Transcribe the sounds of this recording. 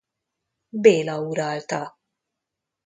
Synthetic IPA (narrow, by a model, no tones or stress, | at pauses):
bɛːlɐuːɾɐːlt̪ɐ